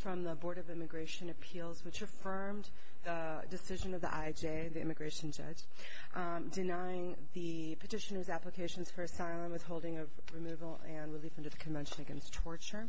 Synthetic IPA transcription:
fɹʌ̃mðəbɔɹɾʌvɪ̃mɨɡɹeɪʃɨ̃nɨpʰilˠzwɨt͡ʃɨfɜ̃˞m | ðə | dɨsɪʒɨ̃nʌvðḭʔaɪd͡ʒeɪðiɪ̰mɨɡɹeɪʃɨ̃n̩d͡ʒʌ̰̥d͡ʒ̥ | dɨnaɪɪ̃ŋ | ðɨ | pʰɨtɪʃɨnə˞zæpləkʰeɪʃɨ̃n̩z̥fə˞ɨsaɪlˠə̃mwɨð̥hoʊlˠdɪ̃ŋʌv | ɹɨmʉvl̩ˠɨ̃nɹɨlifʌ̃ntɨðɨkʰɨ̃ɱvɛ̃nʃɨ̃nɨɡɛ̰̃nstʰɔɹt͡ʃə˞

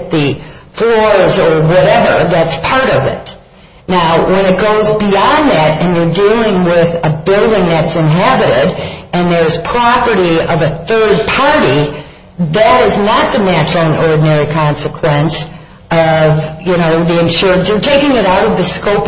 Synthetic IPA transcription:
ðɨflɔɹzə˞wʌɾɛvə˞ðætspʰɑɹɾʌvɪ̰t | naʊwə̃ñɨt̚ɡ̥oʊzbiɑ̃nðæɾɨ̃njə˞dilˠɪ̃ŋwɪðəbɪlˠdɪ̃ŋðɨtsɨ̃nɦæbɨɾɪɾɨ̃nðə˞ɨz̥pʰɹ̥ɑpə˞ɾiʌvɨθɜ˞d̚pʰɑɹɾi | ðɨɾɪznət̪̚ðɨnæt͡ʃɹl̩ˠə̃nɔɹdⁿn̩ɛɹikʰɑ̃nsɨkʰw̥ɛ̃ns | ʌvjɨnoʊðiɨ̃nʃʊɹɨ̃nsjə˞tʰeɪkɪ̃ŋɨɾaʊɾʌvðɨskoʊp

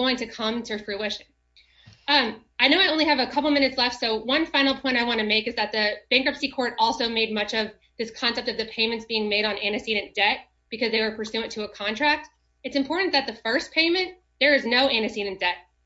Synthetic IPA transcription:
oʊɪ̃ŋtʰɨkʰʌ̃mtʰɨ˞fɹʉɪʃɨ̃n | ʌ̃m | aɪnoʊaɪõʊ̃nliɨvəkʰʌpl̩ˠmɪ̃ñɨtslɛftsoʊwʌ̃nfãɪ̃nl̩ˠpʰɔ̃ɪ̃ntaɪwɑ̃ñɨmeɪkɨzðɨt̪̚ðɨb̥æ̃ŋkɹʌpsikʰɔɹɾɔlˠsoʊmeɪd̚mʌt͡ʃʌv | ðɪskʰɑ̃nsɛp̚tʌvðɨpʰẽɪ̃mɨ̃ntsb̥iɪ̃ŋmeɪɾn̩æ̃nɨsiɾɨ̃nd̥ɛt̚ | b̥ɨkʰʌzðeɪwə˞pʰə˞sʉɨ̃ntʰɨːkʰɑ̃ntʰɹ̥æk̚t̚ | ɨtsɨ̃mpʰɔɹʔn̩ðɨt̪̚ðɨfɜ˞spʰẽɪ̃mɨ̃n | ðə˞ɨznoʊʔæ̃nɨsiɾɨ̃nd̥ɛt̚

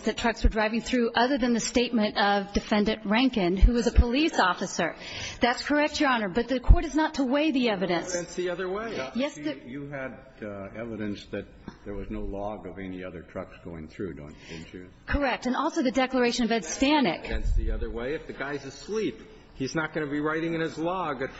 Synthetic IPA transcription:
zðɨtʰɹ̥ʌkswə˞dɹaɪvɪ̃ŋθɹʉʔʌðə˞ðɨ̃nðɨsteɪt̚mɨ̃ntʌvdɨfɛ̃ndɨ̃nʔɹæ̃ŋkɨ̃nhuʌzəpʰəlisɔfɨsə˞ | ðætskʰə˞ɛk̚t͡ʃə˞ɑnə˞bʌt̪̚ðɨkʰɔɹɾɨznətʰəweɪðiɛvɨɾɨ̃nsɛ̃nsðiʌðə˞weɪjɛsɨjɨɨɾ | ɛvɨɾɨ̃nsðɨt̪̚ðə˞wʌznoʊlɔɡʌvɛniʌðə̰˞tʰɹ̥ʌ̰ksɡ̥oʊɪ̃ŋθɹʉ̰do̰ʊ̃ñ̥̰nt͡ʃɨ | kʰə˞ɛk̚tɨ̃nɔlˠsoʊðɨdɛklə˞eɪʃɨ̃nʌvɛdstæ̃nɪ̰kɛ̃nsðiʌðə˞weɪɨfðɨɡaɪzɨ̥slip | hiznət̚ɡ̥ʌnɨbiɹaɪɾɪ̃ŋɨ̃nɨzlɔɡɨ

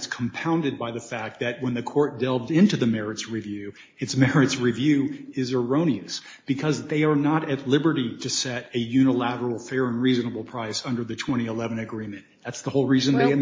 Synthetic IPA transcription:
tskʰm̩pʰãʊ̃ndɨd̚baɪðɨfæk̚t̪̚ðɨt̚wə̃nðɨkʰɔɹt̚d̥ɛlˠvdɪ̃ntʉðɨmɛɹɨtsɹivjʉ | ɨtsmɛɹɨtsɹivjʉɪzə˞õʊ̃ñiɨs | b̥ɨkʰʌzðeɪə˞nəɾɨtˡlɪbə˞ɾiɾɨsɛɾɨjʉñəlæɾə˞l̩ˠfɛɹɨ̃nɹiznəbl̩ˠpʰɹ̥aɪsʌ̃ndə˞ðɨtʰw̥ɛ̃ɾ̃iəlɛvɨ̃nɨɡɹĩmɨ̃nðætsðəhoʊlˠɹizɨ̃nðeɪ

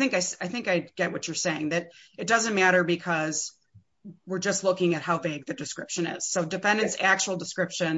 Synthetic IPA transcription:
θɪ̃ŋkaɪsaɪθɪ̃ŋkaɪd̚ɡɛʔ̚wʌt͡ʃə˞seɪɪ̃ŋðɨɾɨt̚d̥ʌzɨ̃nmæɾə˞bɨkʰʌz | wɨɹd͡ʒʌstˡlʊkɪ̃ŋɨt̚haʊveɪɡ̚ðɨdɨskɹɪpʃɨ̃nɪ̰z̥soʊdɨfɛ̃ndɨ̃nsæk̚t͡ʃul̩ˠdəskɹɪpʃɨ̃n

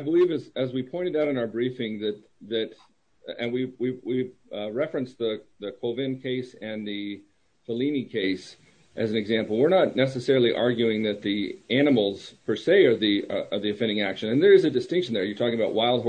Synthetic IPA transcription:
aɪbəlivɨzɨzwipʰɔ̃ɪ̃ɾ̃tɨɾaʊɾɨ̃naʊə˞bɹifɪ̃ŋðɨt̪̚ðɨt | ɨ̃nwiwiwiɹɛfɹɨ̃nsðəðɨkʰoʊvɨ̃nkʰeɪsɨ̃nði | fəlĩnikʰeɪs | ʔɨz̃n̩ɨɡzæ̃mpl̩ˠwɪɹnətⁿnɛsɨsɛɹl̩ˠiʔɑɹɡjʉɪ̃ŋðɨt̪̚ðiʔæñəml̩ˠz̥pʰə˞seɪə˞ðiʔəðiɨfɛ̃ndɪ̃ŋækʃɨ̃nɨ̃nðə˞ɨzɨdɨstɪ̃ŋkʃn̩ðə˞jə˞tʰɔkɪ̃ŋəbaʊʔ̚waɪlˠd̚ɦ

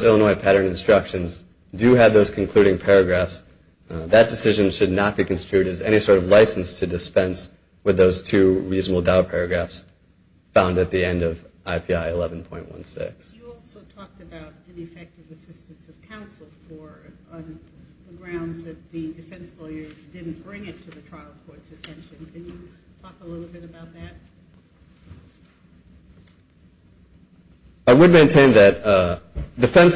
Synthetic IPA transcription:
zɪlˠənɔɪpʰæɾə̃˞nɨ̃nstɹ̥ʌkʃɨ̃nz | dɨːvðoʊz̥kʰn̩kʰl̥ʉɾɪ̃ŋpʰɛɹɨɡɹæfs | ðɨt̚d̥ɨsɪʒɨ̃nʃɨdⁿnət̚b̥ikʰɨ̃n̩stɹ̥ʉɾɨzɛɾ̃isɔɹɾʌvlaɪsn̩stʰɨdɨspɛ̃ns | wɨðoʊz̥tʰʉɹiznəbl̩ˠdaʊpʰɛɹɨɡɹæfs | fãʊ̃ndɨt̪̚ðiɛ̃ndʌvʔaɪpʰiaɪɨlɛvn̩pʰɔ̃ɪ̃nʔwʌ̰̃nsɪ̰ksɔlˠsoʊtʰɔk̚tɨbaʊɾɨ̃nɨfɛk̚tɨvɨsɪstɨ̃n̩sʌv̥kʰãʊ̃nsl̩ˠfə̃˞ | nðəɡɹãʊ̃ndzðɨt̪̚ðɨdɨfɛ̃nslɔɪə˞dɪdⁿn̩b̥ɹɪ̃ŋɨtʰɨðɨtʰɹ̥aɪl̩ˠkʰɔɹtsɨtʰɛ̃nʃɨ̃nkʰɨ̃njɨtʰɔkəlɪɾl̩ˠbɪɾɨbaʊt̪̚ðɨt̚ | aɪwəd̚mẽɪ̃ntʰẽɪ̃nðɨt̚ | d̥ɨfɛ̃ns

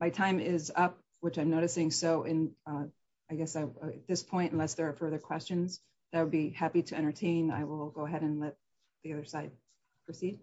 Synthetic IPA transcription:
maɪtʰãɪ̃mɪzʌp̚ | wɨt͡ʃãɪ̃mnoʊɾɨsɪ̃ŋsoʊʔɪ̃n | aɪɡɛsaɪɨt̪̚ðɪspʰɔ̃ɪ̃ntnlɛsðə˞ːfɜ˞ðə˞kʰw̥ɛst͡ʃɨ̃nz̥ | ðɨt̚wəd̚bihæpiɾɨɛ̃ɾ̃ə˞tʰẽɪ̃na̰ɪwɪlˠɡoʊəɦɛɾɨ̃nlɛt̪̚ | ðiʌðə˞saɪd̚ | pʰɹ̥osid̥̚

